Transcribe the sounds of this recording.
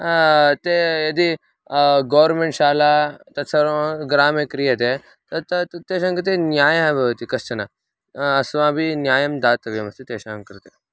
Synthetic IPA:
t̪ejɐd̪i | ɡɐːʋɾmeɳʈʃaːlat̪ɐt̪sɐɾõɡɾaːmekɾijɐt̪e | t̪ɐt̪ɐt̪t̪eːʃaːŋkɐɾt̪enjaːjaɦbʱɐʋt̪ikɐst͡ʃʰɐna | ɐsʋãːbʱinjaːjɐmd̪aːt̪ɐʋjɐmɐst̪it̪eːʃaːŋkɐɾt̪eː

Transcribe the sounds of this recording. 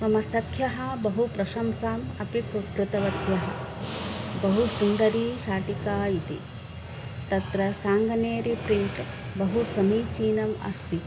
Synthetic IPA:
mɐmɐsɐkʰjɐɦɐ̆bɐɦupɾɐʃɐmsaːmɐpipukɾut̪ɐʋɐt̪jɐɦɐ̰̆ | bɐɦusund̪ɐɾiːʃaːʈikaːit̪ḭ | t̪ɐt̪ɾɐsaːŋɡɐneːɾipɾiɳʈ | bɐɦusɐmiːt͡ʃiːnɐmɐ̰st̪i

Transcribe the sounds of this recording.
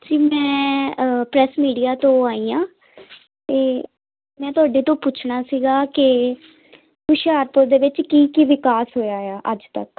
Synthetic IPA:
d͡ʒiːmɛ̃ː | pɾɛːsmiːɖijaːt̪õːaːiːãː | t̪eː | mɛ̃ːt̪ʊaːɖeːt̪õːput͡ʃʰnaːsiːɡaːkɪ | kʊʃaːɾpʊɾd̪eːʋɪt͡ʃkiːkiʋɪkaːsɦoːjaːjaːʔəd͡ʒt̪ə̰k

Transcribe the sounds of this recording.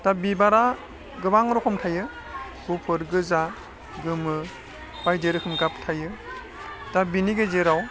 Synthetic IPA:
tabibaɾa | ɡɯbaŋɾɔkʰɔmtʰajɯ | ɡupʰɯɾɡɯza | ɡɯmɯ | b̥ajdeɾɯkʰɯmɡaptʰajɯ | tabiniɡɯzeɾaw

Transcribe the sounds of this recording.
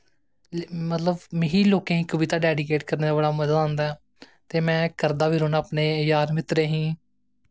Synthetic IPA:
mət̪ləbmɪɦiːloːkẽːɦĩːkəʋɪt̪aːɖɛːɖɪkeːʈkəɾneːd̪aːbəɽaːməd̪əd̪aːnd̪aːɛː | t̪eːmɛ̃ːkəɾd̪aːʋiːɾoːnaːpneːjaːɾmɪt̪ɾeːɦĩː

